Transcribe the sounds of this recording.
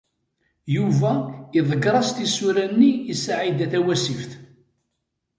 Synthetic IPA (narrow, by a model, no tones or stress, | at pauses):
juvæiðˤəɡɾˤɑst̪isuɾænːiːsaʕid̪æθæwæsifθ